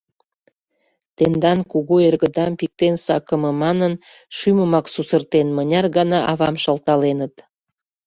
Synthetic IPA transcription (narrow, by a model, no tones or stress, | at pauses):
t̪end̪ɑnkuɣuerɣəd̪ɑmpik̚t̪ensɑkəməmɑnən | ʃyməmɑksusərt̪enmənʲɑrɣɑnɑʔɑβɑmʃəlt̪ɑlenət̪